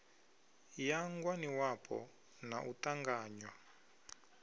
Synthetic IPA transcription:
jaŋɡwaniwapʰɔ̰ | naʔutaŋɡaːɲwa

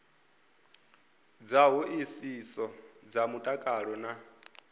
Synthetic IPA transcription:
d͡zaɦuʔisisɔd͡zamutʼakʼaɺɔna

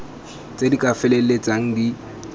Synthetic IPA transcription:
t͡sʼedikʼafɛlelet͡sʼaŋ̩di

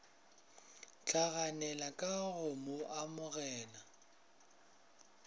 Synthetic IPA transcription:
t͡ɬʰʼaɣanɛlakʼaɣʊmoʔamʊɣɛːna

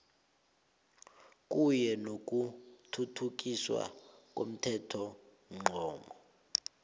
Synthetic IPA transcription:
k̬ʼujɛnok̬ʼutʰutʰuk̬ʼiswa̰k̬ʼo̰m̩tʰɛtʰɔ | ŋ͡ǃŋ͡ǃɔːmɔ

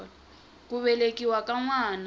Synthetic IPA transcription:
l | k̬ʼuɓɛlek̬iwak̬ʼaŋwaːna

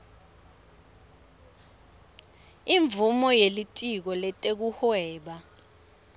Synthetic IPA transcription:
iɱbvumɔjelitʼik̬ɔlɛtʼek̬uhwɛːɓa

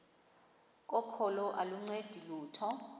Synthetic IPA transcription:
kʼɔpʰɔlɔʔaluŋ͡ǀed̥ʱiluːtʰɔ

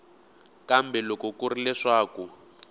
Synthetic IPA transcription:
kambɛlɔkɔkurilɛʂaːku

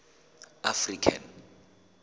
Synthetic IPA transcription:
afrikʰa̰n

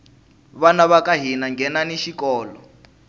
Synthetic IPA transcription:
βanaβakaɦinaŋɡʱɛnaniʃikɔːlɔ

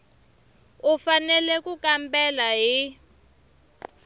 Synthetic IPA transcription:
ufanɛlɛkukambɛlaɦi

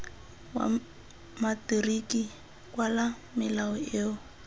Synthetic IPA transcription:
wa̰ | matiriki | kwala | mɪlaɔeːʊ

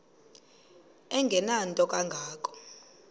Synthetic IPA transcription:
ɛŋɡʱɛnantʼɔk̬ʼaŋɡʱaːk̬ʼɔ̥

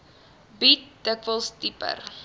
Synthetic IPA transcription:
bit̚d̥əkvəlˠstipə̰r

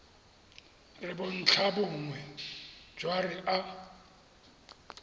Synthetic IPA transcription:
rɪbʊn̩t͡ɬʰabʊŋwɛ̥d͡ʒwarɪʔa

